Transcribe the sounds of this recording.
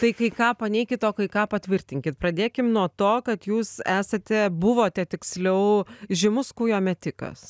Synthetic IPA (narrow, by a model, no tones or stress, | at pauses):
t̪ɐɪkɐɪkɑːpɐnʲɛɪkʲɪt̪oːkɐɪkɑːpɐt̪ʲʋʲɪrʲt̪ʲɪŋʲkʲɪt̪̚pɾɐd̪ʲeːkʲɪmnuɔt̪oːkɐt̪juːsæːsɐt̪ʲɛbʊʋoːt̪ʲɛt̪ʲɪksʲlʲɛʊʒʲɪmʊskuːjoːmʲɛt̪ʲɪkɐ̰s